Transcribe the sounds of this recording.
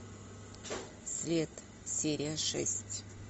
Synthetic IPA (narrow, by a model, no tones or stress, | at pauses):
sʲlʲet̪ | sʲeɾʲɪjəʂɛ̰sʲtʲ